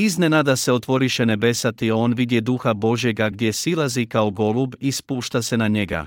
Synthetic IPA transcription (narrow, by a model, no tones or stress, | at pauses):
izne̞nad̪ase̞o̞t̪ʋo̞ɾiʃe̞ne̞be̞sat̪io̞ːnʋid̪je̞d̪uxabo̞ʒje̞ɡaɡd̪je̞silˠazikaoɡo̞lˠubispuːʃt̪ase̞naɲe̞ɡa̰